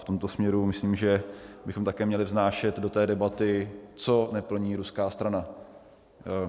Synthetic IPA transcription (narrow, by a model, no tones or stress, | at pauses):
ft̪omt̪o̞smɲɛɾumɪsliːmʒɛbɪxo̞mt̪akɛːmɲɛlɪvznaːʃɛt̪do̞t̪ɛːdɛbat̪ɪt͡so̞nɛpl̩ɲiːɾuskaːst̪ɾana